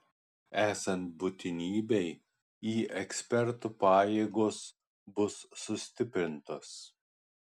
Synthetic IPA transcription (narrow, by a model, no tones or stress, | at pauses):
æːsɐnt̪̚bʊt̪ʲɪnʲiːbʲɛɪ | iːʔɛksʲpʲɛɾt̪upɑːjeːɡoːs | bʊsːʊsʲt̪ʲɪpʲɾʲɪnt̪oːs